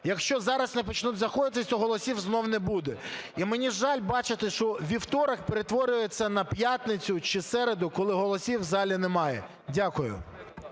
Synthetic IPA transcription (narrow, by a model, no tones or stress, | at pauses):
jɐkʃt͡ʃɔzɑɾɐsnɛp̬ɔt͡ʃnut̪ʲzɐxɔd̪ɪt̪ɪsʲʊɦɔlˠɔsʲiwznɔwnɛbud̪ɛimenʲiʒɑlʲbɑt͡ʃɪt̪ɪʃt͡ʃɔʋʲiwt̪ɔɾɐkpeɾet̪ʋɔɾʲʊjet͡sʲːɐnɐpjat̪nɪt͡sʲʊt͡ʃɪsɛɾed̪ʊkɔlˠɪɦɔlˠɔsʲiwzɑlʲinɛmɑjɛ̰ | dʲakʊjʊ̰